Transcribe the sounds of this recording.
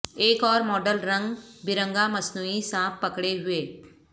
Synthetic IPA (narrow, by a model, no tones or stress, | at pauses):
eːkɔːɾmɔːɖəlɾɐ̃ŋɡbɪɾə̃ŋɡamɐsnuːisãːppɐkɽeɦʊeː